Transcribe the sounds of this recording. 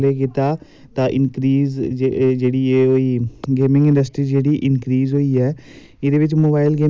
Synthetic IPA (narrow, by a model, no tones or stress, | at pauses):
leːk̬ɪt̪aː | t̪ãːʔɪnkɾiːzd͡ʒeːɽiːeːoiːɡeːmɪ̃ŋɡɪ̃ɳɖəsʈɾiːd͡ʒeːɽiːʔɪnkɾiːzɦoːiːɛː | ɪd̪eːʋɪt͡ʃmoːbaːɪlɡeː